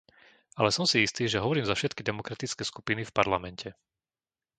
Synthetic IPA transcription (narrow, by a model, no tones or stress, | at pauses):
alɛsɔmsiist̪iːʒɛɦɔʋɔɾiːmzafʃɛt̪kid̪ɛmɔkɾat̪it͡skɛːskupinifpaɾlamɛncɛ